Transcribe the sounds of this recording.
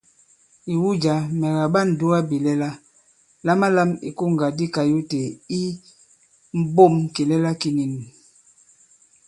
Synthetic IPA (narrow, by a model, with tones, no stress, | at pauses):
i˨wu˦d͡ʒa˨mɛ˨ɣa˨ba˦˨n̩˨du˦a˦bi˨lɛ˦la˦ | la˦ma˦la˦mḭ˨ku˦ŋ˨ɡa˨di˦ka˨ju˦te˨i˦ | m̩˦bo˦˨mki˨lɛ˦la˦ki˦ni˨n˨